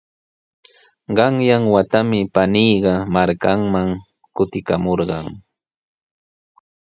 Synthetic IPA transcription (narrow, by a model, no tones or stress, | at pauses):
ɢɑŋjaŋwat̪amɪpaniːɢɑmaɾkaŋmaŋ | kʊt̪ɪkamoɾɢɑŋ